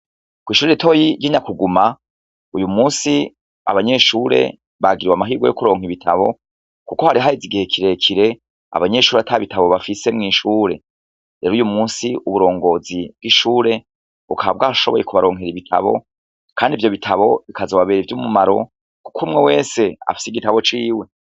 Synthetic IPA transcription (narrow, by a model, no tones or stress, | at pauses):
kwiːʃuːɾeitʰo̞jiɾɟiɲakuɡuma | ujumuːsi | a̰βaɲe̞ʃuːɾe̞̰ | βaɡiɾiwamaɦiːɡwo̞jokuɾo̞ːŋhiβitʰa̰βo̞̰ | kuko̞haɾiɦaɾiziɡihekʰiɾe̞kʰiɾe̞ | a̰βaɲe̞ʃuːɾeatʰaβitʰaβo̞βafise̞mŋiːʃuːɾe̞̰ | ɾeːɾujumuːnsiuβuɾo̞ːŋɡo̞ːzib̚ɡiʃuːɾe̞ | βṵkʰaβaβ̚ɡaːʃo̞βoje̞kuβaɾo̞ːŋ̥he̞ɾiβitʰa̰βo̞̰ | kaːndivjo̞βitʰaβo̞βikazoβaβeːɾivjumumaɾo̞ | ku̥kʰumŋewe̞ːse̞a̰fi̥siɡitaβo̞t͡ʃiːwe̞